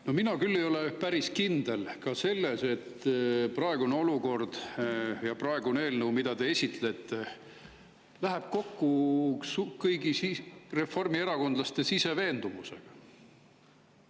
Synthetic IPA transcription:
no̞minɑkylːejo̞le̞pæɾiskind̪̥e̞lkɑse̞lːe̞se̞t̪ːprɑeɡ̥uneo̞luko̞rd̪̥jɑprɑe̞ɡune̞ːlnəwmid̪̥ɑd̪e̞esʲit̪le̞t̪ːˑe | læɦæb̥ko̞kːusukɤjɡisire̞fo̞rmie̞ɾɑko̞nd̪̥lɑst̪e̞sise̞ve̞ːnd̪umuse̞̰ɡ̥ɑ

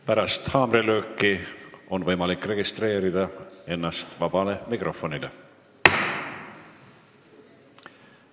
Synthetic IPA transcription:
pæɾɑst̪hɑːmrelø̞ːkːˑio̞nvɤ̞jmɑlikːˑre̞ɡ̥ist̪re̞ːɾid̪̥ɑe̞nːɑst̪vɑb̥ɑle̞mikrʔo̞fo̞nile

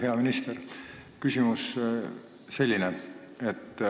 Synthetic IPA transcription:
he̞ɑminist̪erkysʲimus | se̞lʲːineet̪ː

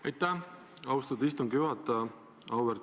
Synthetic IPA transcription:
ɑjt̪ːˑæ | ɑwst̪ud̪ist̪uŋɡ̥juɦɑt̪ːˑɑ | ɑwweɾ

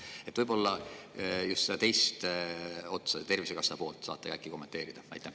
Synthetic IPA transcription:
e̞t̪ːˑvɤjbo̞lːɑ | just̪sed̪ɑt̪ejst̪o̞t̪sɑt̪e̞rvise̞kɑsɑpoːlt̪ˑsɑ̰ːt̪ːˑekækːˑiko̞mːe̞nt̪eːɾid̪̥ɑvæ̰jt̪ːˑæ

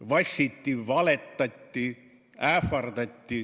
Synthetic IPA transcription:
vɑsʲit̪ʲːivɑlet̪ːɑt̪ʲːi | æfɑrd̪ɑt̪ʲːi

